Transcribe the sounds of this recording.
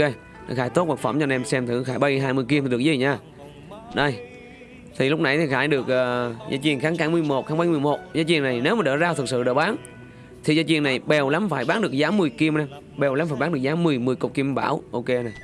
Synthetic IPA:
e˧˨˩ | xaː˧˩jt̪o˦˥t̚ɓaː˨˧˩ŋfə̰˧˩mt͡ɕɔ˧nʔɛ˧msɛ˧mt̪ʰɨ˧˩xaː˧˩jɓə˧jɦaː˧jmɨ˧˩ki˧mt̪i˨˩ɨ˨˩k̚ːḭ˧˨˩ɲaː˧˩ | ɗə˧j | t̪ʰi˨˩lʊ˦˥k͡p̚na˨˧˩jt̪ʰi˨˩xaː˧˩jɗɨ˨˩ək̚ʔəː˨˩za̰ː˧t͡ɕḭ˧˩ənxaː˨˦ŋkaː˨˦ŋmɨ˨˧˩əjmo˨˩t̚xaː˨˦ŋɓa˧˦ŋmɨ˨˩əjmo˨˩t̚zaː˨˦t͡ɕwi˧˨əna˨˩jne˨˦wmaː˨˩ɗəː˧˩zaː˧t̪ʰɨ˨˩k̚sɨ̰˧˨ɗəː˧˩ɓaː˨˦ŋ | t̪ʰi˨˩zaː˨˦t͡ɕwi˧˨əna˨˩jɓɛ˨˩wla˨˦mfaː˧˩jɓaː˨˥ŋ̚ɗɨ˨˩ək̚zaː˨˦mɨ˨˩əjki˧əmnɛ˧m | ɓɛ˨˩wla˨˦mfaː˧˩jɓaː˨˦nɨ˨˩k̚zaː˨˦mɨ˨˩əjmɨ˨˩jko˨˩k͡p̚ki˧mɓa̰ː˧˩˨wʔo˧ke˧na˨˩j

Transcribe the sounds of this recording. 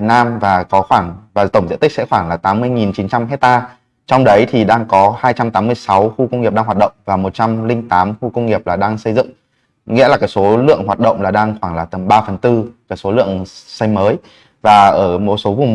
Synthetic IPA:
naː˧mvaː˨˩kɔ˨˦xwaː˧˩ŋvaː˨˩t̪ə˧˩ŋ͡mzḭ˧˨t̪ï˥sɛ̰˧˥xwaː˧˩ŋlaː˨˩t̪aː˨˦mːɨ˧əjŋi˨˩nt͡ɕi˨˦nt͡ɕa˧mɦɛ˦˥t̚t̪aː˧ | t͡ɕɔ˧wŋ͡mɗə˨˦jt̪ʰi˨˩ɗaː˧ŋkɔ˨˦haː˧jt͡ɕa˧mt̪aː˨˦mːɨ˧əjsa˨˦wxu˧kə˧wŋ͡mŋi˨˩p̚ɗaː˧ɦwaː˨˩t̚ɗə̰˧˨wŋ͡mvaː˨˩mo˨˩t̚t͡ɕa˧mlï˧ŋ̟t̪aː˨˦mxu˧kə˧wŋ͡mŋi˨˩əp̚laː˨˩ɗaː˧ŋsə˧jzɨ̰˧˨ŋ | ŋḭ˧˥laː˨˩kaː˨˦˥jso˨˦lɨ̰˧˨əŋɦwaː˨˩t̚ɗə̰˧˨wŋ͡mlaː˨˩ɗaː˧ŋxwaː˧˩ŋlaː˨˩t̪ə˨˦mɓaː˧fə˨˩nt̪ɨ˧kaː˨˦˥kso˨˦lɨ̰˧˨əŋsa˧jməː˨˦j | vaː˨˩ʔəː˧˩mo˨˩t̚so˨˦vʊ˨˩ŋ͡m

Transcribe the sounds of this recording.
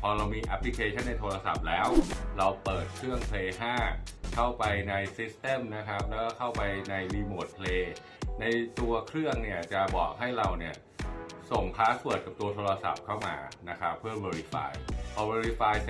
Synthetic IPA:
pʰɔː˧ɾa˧wmiː˧ʔa˦˥pʰli˦˥kʰeː˧t͡ɕʰa˥˩nːa˧jt̪ʰoː˧ɾa˧sa̰˨˩p̚lɛː˦˥wɾa˧wpɤː˨˩t̪̚kʰɾɯ˥˩əŋpʰleː˧ɦaː˥˩kʰa˥˩wpa˧jna˧jsi˦˥st̪e˥˩mna˦˥kʰɾa˦˥p̚lɛː˦˥kɔː˥˩kʰa˥˩wpa˧jna˧jliː˧moː˨˩t̪̚pʰleː˧ | na˧jt̪u˧ɐkʰɾɯ˥˩əŋni˥˩ɐt͡ɕa˨˩bɔ̰ː˨˩k̚ɦa˥˩jɾa˧wni˥˩ɐ | so˨˩ŋpʰaː˦˥ku˨˩ət̪̚ka˨˩p̚t̪u˧ɐt̪ʰoː˧ɾa˧sa̰˨˩p̚kʰa˥˩wma̰ː˧na˦˥kʰɾa˦˥pʰːɯ˥˩ɐweː˧ɾi˦˥fa̰ː˧jpʰɔː˧weː˧ɾi˦˧faː˧j

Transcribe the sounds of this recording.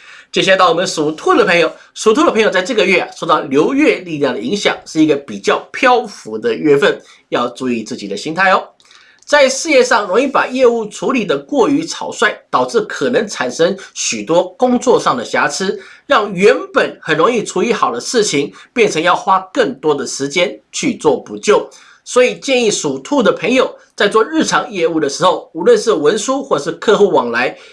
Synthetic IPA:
t͡ɕjɕa˥˧˥t̪ɑ˥˩ʊwɔ˨˩mə˦nʂu˨˩t̪ʰu˥˩d̪ə˨pʰɤ˧˥ŋjo˨˩ʊ | ʂu˨˧˩t̪ʰu˥d̪ə˩pʰɤ˧˥ŋjo˨˩t͡sɪʈ͡ʂɤ˥˩ɡə˧ɥɛ˥˩˨ʂo˥˧t̪ɑ˥˨˩ʊljo˧˥ʊɥɛ˥˧li˥˧ljɑ˥˩ŋd̪ə˩i˧˥ŋɕjɑ̰˨˩˦ŋʂɻ̩˥˩i˧˥ɡə˧pi˨˩t͡ɕjɑ˥˩ʊpʰjɑ˥ʊfu˧˥d̪ə˧ɥɛ˥fə˥˩n | jɑ˥˧ʊt͡su˧˥˧i˥˧t͡sɹ̩˥˩t͡ɕḭ˨˩d̪ə˦ɕi˥nt̪ʰa˥˩ɪɔ˧˦ | t͡sa˥˧ɪʂɻ̩˥˧jɛ˥˧ʂɑ˥˩ŋɻʊ˧˥ŋi˥˩pa˨˩jɛ˥˧u˥˩ʈ͡ʂʰu˧˥li˨˩d̪ə˦kwɔ˥˩y˧˥t͡sʰɑ˨˩ʊswa˥˩ɪt̪ɑ˨˩ʊʈ͡ʂɻ̩˥˩kʰɤ˨˩nə˧˥ŋʈ͡ʂʰa˨˩nʂɤ˥ŋɕy˨˩t̪wɔ˥kʊ˥ŋt͡swɔ˥˧ʂɑ˥˩ŋd̪ə˩ɕja˧˥t͡s̩ʰ˥ɻɑ˥˩ŋɥɛ˧˥npə˨˩nxə˨˩nɻo˧˥ŋi˥˩ʈ͡ʂʰu˧˥y˧˥xɑ˨˩ʊd̪ə˦ʂɻ̩˥˩t͡ɕʰi˧˥ŋpjɛ˥˩nʈ͡ʂʰə˧˥ŋjɑ˥˩ʊxwa˥kə˥˩ŋt̪wɔ˥d̪ə˨ʂɻ̩˧˥t͡ɕjɛ˥nt͡ɕʰy˥˧t͡swɔ˥˩pu˨˩t͡ɕjo˥˩ʊ | swɔ˧˥i˨˩t͡ɕjɛ˥˧ni˥˩ʂu˨˩t̪ʰu˥˩d̪ə˩pʰə˧˥ŋjo˨˩ʊt͡sa˥˧ɪt͡swɔ˥˧ɻɻ̩˥˩ʈ͡ʂʰɑ˧˥ŋjɛ˥˧u˥˩d̪ə˩ʂɻ̩˧˥xo˥˩ʊu˧˥lwə˥˧nʂɻ̩˥˩wə˧˥nsu˥xwɔ˥˧˩ʂɻ̩˥˧kʰɤ˥˧xu˥˩wɑ˨˩ŋla˧˥ɪ

